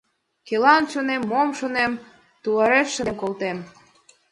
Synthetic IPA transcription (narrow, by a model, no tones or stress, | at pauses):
kelɑnʃonemːomʃonem | t̪uɑɾeʃʃəmkolt̪em